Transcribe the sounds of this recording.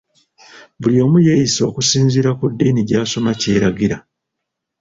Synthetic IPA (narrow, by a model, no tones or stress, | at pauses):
βuljo̞ːmujeːjiso̞ːkusiːnziːɾakudːiːniɟaːso̞mace̞ːɾaɡiɾa